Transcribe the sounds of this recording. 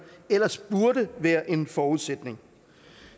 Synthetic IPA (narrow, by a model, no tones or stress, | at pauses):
el̰ɐsb̥uɐɾəʋæːɐʔe̝nfɒːuðˠsed̥ne̝ŋ